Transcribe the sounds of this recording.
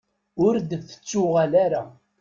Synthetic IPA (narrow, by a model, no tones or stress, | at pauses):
ʊɾd̪əθə̥t͡sːʊʁalaɾa